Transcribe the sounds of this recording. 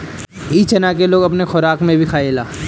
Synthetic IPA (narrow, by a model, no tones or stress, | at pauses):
iːt͡ʃɐnakeloːɡɐpnexʊɾaːkmẽbʱikʰaːeːla̰ː